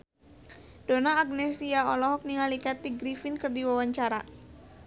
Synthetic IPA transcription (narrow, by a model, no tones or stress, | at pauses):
d̥onaːɡ̚nɛsiaɔlɔɦɔk̚niŋalikat̪iɡɾifinkɨrdiwawaɲt͡ʃaɾa̰